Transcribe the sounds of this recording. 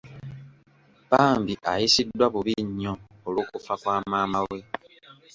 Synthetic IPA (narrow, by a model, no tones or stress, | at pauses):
paːmbiʔa̰jisidːwaβuβiɲːoː | lukufakwaːmaːmawwe̞